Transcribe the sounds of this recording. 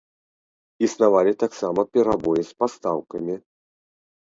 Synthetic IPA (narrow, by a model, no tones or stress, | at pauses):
isnavalʲit̪aksamɐpʲɛɾabɔjɛspast̪awkɐmʲi